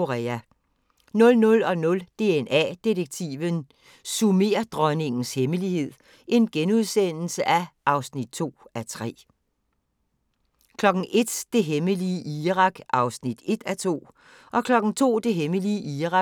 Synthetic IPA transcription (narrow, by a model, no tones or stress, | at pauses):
o̝ʁɛːæ | nɔ̽lnɔ̽lɒ̽nɔ̽ld̥e̝enæ̰d̥iðəɡ̥̚t͡sʰḭːʋən | sume̝̰ːɐd̥ʁɒɪne̝ŋn̩sheməlihe̝ð̰ˠ | ʔe̝nɡ̥enuð̞ˠsen̰l̩səʔæɑ̈ʊsnid̥̚t͡sʰo̝̰ːæt͡sʰʁɛ̰ː | kʰlɒ̽ɡ̥n̩ʔe̝d̥d̥e̝ɦeməliəʔiːʁɑ̈ɡ̥ʔɑ̈ʊsnid̥e̝d̥æt͡sʰo̝̰ː | ʔɒ̽kʰlɒ̽ɡ̥n̩t͡sʰo̝̰ːd̥e̝ɦeməliəʔiːʁɑ̈